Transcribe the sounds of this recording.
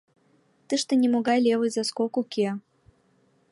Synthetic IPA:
t̪ɨʃt̪ɤ̆nʲemoɣɑjlʲevɨjzaskokuke

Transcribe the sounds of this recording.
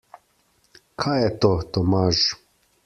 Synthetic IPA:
kʰaːjɛt̪ot̪omaːʒ

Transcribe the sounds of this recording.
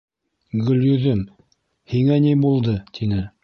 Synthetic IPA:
ɡɵ̆ljɵ̆ðɘm | hiŋænibulˠd̪ɤt̪ʰinɘ

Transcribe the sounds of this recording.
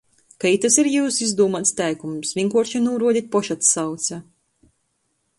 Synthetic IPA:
kait̪asiɾjuːsizd̪uːmat̪st̪ʲæjkumsvʲiŋkuɔɾʃanuːɾuɔd̪ʲit̪̚pɔʃat̪sawt̪sʲa

